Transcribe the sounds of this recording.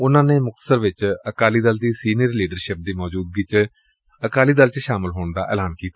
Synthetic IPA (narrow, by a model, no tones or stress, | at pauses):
ʊnãːneːmʊk̚t̪ə̥səɾʋɪt͡ʃəkaːliːd̪əld̪iːsiːnɪəɾliːɖəɾʃɪp̚d̪iːmɔːd͡ʒuːd̪̚ɡiːt͡ʃ | əkaːliːd̪əlt͡ʃʃaːmɪlɦoːɳd̪a̰ːʔɛ̰ːlaːnkiːt̪aː